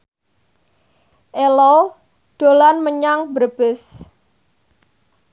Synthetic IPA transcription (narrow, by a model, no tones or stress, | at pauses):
ʔelɔ | d̪̥o̤lanməɲaŋbərb̥ɪs